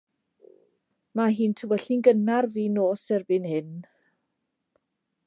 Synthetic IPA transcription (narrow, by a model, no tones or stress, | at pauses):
maɦiːntʰəwɛɬinɡənarðiːnoːsɛrbɪnhɪn